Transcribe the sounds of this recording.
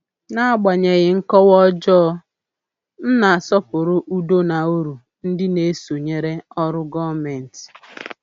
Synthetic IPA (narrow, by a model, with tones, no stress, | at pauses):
na˦a˦ɡ͡ba˨ɲe˨ɣɪ˨ŋ̩˦kɔ˦wɔ˦d͡ʒɔ˦ | n̩˦na˨a˨sɔ˦pʊ˨ɾʊ˦ʔu˦do˦na˨u˦ɾu˨ | n̩˦dɪ˦ne˦so˨ɲe˦ɾe˦ɔ˦ɾʊ˦ɡɔ˦me˨n̩˨tɪ̥˨